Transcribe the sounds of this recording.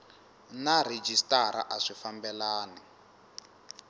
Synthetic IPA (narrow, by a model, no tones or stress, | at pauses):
nared͡ʒistaɾa̰ʔaʂifambɛlaːnɛ